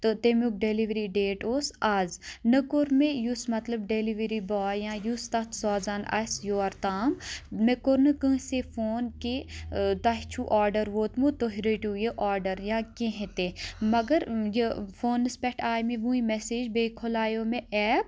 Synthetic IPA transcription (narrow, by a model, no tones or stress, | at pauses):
t̪ot̪emuk̚ɖeliʋɾiɖeːʈoːsaːznɐkoɾmejusmɐt̪lɐb̚ɖeliʋəɾibaːjãːjust̪ɐt̪ʰsɔːzaːnɐ̰sjoːɐɾt̪aːmmekoɾnɨkɨ̃ːsefoːnket̪ɐɦt͡ʃʰuʔaːɾɖəɾʋoːt̪mut̪oɦiɾəʈuːjeʔaːɾɖəɾjãːkẽɦẽt̪emɐɡɐɾjefoːnːɨspɛʈʰaːjmẽʋũːĩmɛseːd͡ʒbeːkʰolaːjoːmẽʔɛːp̚